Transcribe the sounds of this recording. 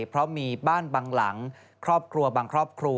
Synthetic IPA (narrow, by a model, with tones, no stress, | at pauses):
pʰɾɔ˦˥miː˧baː˥˩nbaː˧ŋla̰˩˦ŋ | kʰɾɔː˥˩p̚kʰɾu˧ɐbaː˧ŋkʰɾɔː˥˩p̚kʰɾu˧